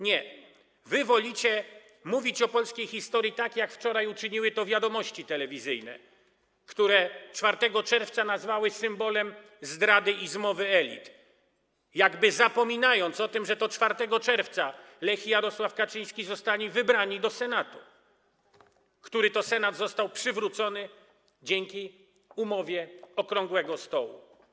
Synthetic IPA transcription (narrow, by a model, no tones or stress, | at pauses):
ɲɛ | vɘvɔlʲit͡ɕɛ | muvʲit͡ɕɔpɔlskʲejxʲist̪ɔɾʲjit̪akjakft͡ʂɔɾajut͡ʂɘɲiwɘt̪ɔvʲjad̪ɔmɔɕt͡ɕit̪ɛlɛvʲizɘjnɛ̰ | kt̪uɾɛt͡ʂfaɾt̪ɛɡɔt͡ʂɛɾft̪sanazvawɘsɘmbɔlɛm | zd̪ɾad̪ɘizmɔvɘɛlʲḭt̪ | jaɡbɘzapɔmʲinajɔnt̪sɔt̪ɘmʐɛt̪ɔt͡ʂfaɾt̪ɛɡɔt͡ʂɛɾft̪sa | lɛxʲijaɾɔswafkat͡ʂɘj̃skʲizɔst̪alʲivɘbɾaɲid̪ɔsɛnat̪u | kt̪uɾɘt̪ɔsɛnad̪zɔst̪awpʂɘvɾut̪sɔnɘ | d͡ʑɛŋkʲi | umɔvʲjɛɔkɾɔŋɡwɛɡɔst̪ɔwṵ